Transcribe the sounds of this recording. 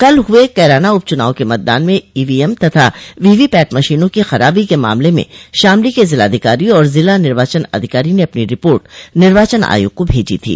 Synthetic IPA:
kɐlɦʊekɛːɾaːnaʊb̚t͡ʃʊnaːõkemɐt̪d̪a̰ːnmẽiːʋiɛmt̪ɐt̪ʰaʋiːʋipɛːʈmɐʃiːnõkixɐɾaːbikema̰ːmlemḛ̃ʃaːmlikezɪlaːd̪ʱɪkaːɾiɔːɾzɪlanɪɾʋaːt͡ʃənɐ̰d̪ʱɪkaːɾineɐpniɾɪpoːɾʈnɪɾʋaːt͡ʃəna̰ːjṵkobʱeːd͡ʒḭt̪ʰḭː

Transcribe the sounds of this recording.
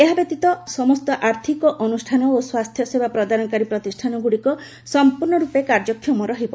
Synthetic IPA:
eɦabet̪it̪ɔsɔmɔst̪ɔʔaɾt̪ʰikɔʔɔnusʈʰanɔoswast̪ʰjɔsebapɾɔd̪ʱanɔkaɾipɾɔt̪isʈʰanɔɡuɽikɔ | sɔmpuɾɳɔɾupekaɾd͡ʒɔkʰːjɔmɔɾɔɦibɔ

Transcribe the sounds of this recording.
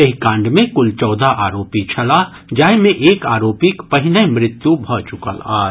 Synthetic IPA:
eɦikãːɳɖmẽkʊlt͡ʃɔːd̪ʱaʔaːɾoːpit͡ʃʰɐla | d͡ʒaːɪmẽʔeːkaːɾoːpikpɐɦɪnəmɾɪt̪jubʱɔt͡ʃʊkə̰laː

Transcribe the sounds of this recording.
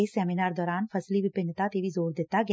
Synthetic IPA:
eseɛminaːɾd̪ɔːɾaːnfʰɐsliʋipɐnət̪at̪iːʋizoːɾd̪et̪ːaɡ

